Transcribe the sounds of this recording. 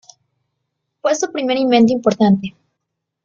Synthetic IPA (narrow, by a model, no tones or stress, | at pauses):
pwest̪upɾimeɾimbẽnt̪̬oimpoɾt̪ant̪e